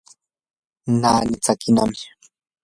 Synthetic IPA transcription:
naːnɪt͡sakinamɪ̥

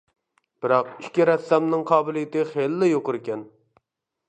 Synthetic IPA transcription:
b̥ɪɾɑqiʃkʲiɾɛsɛmnɨŋqʰɑːbɪlˠijɪt̪ɪχelːɪjoqʊɾɪkʲɛn

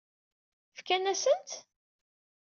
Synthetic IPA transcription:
fkænæsənt̪

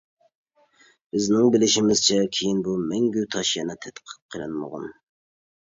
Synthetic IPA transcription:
b̥ɪznɪŋbɪlɪʃɪmɪz̥t͡ʃʰɛkʲʰejinbumɛŋɡʲyt̪ʰɑʃjɛnɛt̪ʰɛt̪qʰə̥t̪̚qʰəlˠɪnmə̰ʁʊ̰n

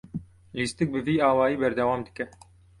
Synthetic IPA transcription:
list̪ɨk̚bɨviːaːwaːjiːbɛɾd̪ɛwaːmd̪ɨ̥kɛ

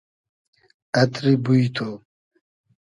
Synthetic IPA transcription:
ɐt̪ɾibujt̪ʰo

